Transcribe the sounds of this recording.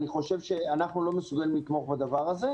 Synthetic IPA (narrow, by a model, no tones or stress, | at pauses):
niχo̞ʃe̞vʃeanaχnulo̞mesuɡalimlit̪mo̞χbad̪avaʁaze̞